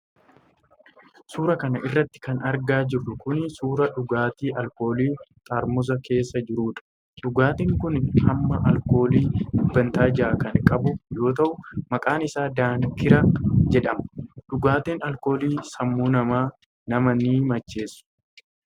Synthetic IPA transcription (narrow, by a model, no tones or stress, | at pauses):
suːɾɐkɐnɐʔɪrːɐt̪ːɪ̥kɐnɐɾɡaːd͡ʒɪrːʊkʊnsuːɾɐᶑʊɡaːt̪iːʔɐlko̞ːliːt̪ʼaːɾmʊs̬ɐkʰe̞ːsːɐd͡ʒɪɾuːᶑɐ̥ | ᶑʊɡaːt̪eːŋkʊnhɐmːɐʔɐlko̞ːliːʊbːɐnt̪aːd͡ʒaːkɐŋkʼɐbʊjo̞ːt̪̬ɐʔʊmɐkʼaːnɪsaːd̪aːŋkɪɾɐd͡ʒɛᶑɐmɐ̥ᶑʊɡaːt̪eːnɐlko̞ːliːsɐmːuːnɐmaː | nɐmɐniːmɐt͡ʃːe̞ːsːʊ̥